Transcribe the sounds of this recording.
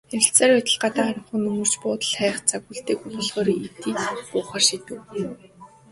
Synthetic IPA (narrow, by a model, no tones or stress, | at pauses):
eɾʲɪ̆ɬt͡saːɾæt̪ʲə̆ɮɢat̪aːaɾə̆ɴχɵ̆nɵmɵ̆r̥t͡ɕpʊːt̪ə̆ɮχæːχt͡sʰaɣuːɮt̪eːkupɔɮʁɔːɾit̪iːt͡spʊːχaːrʃit̪ɘ̆w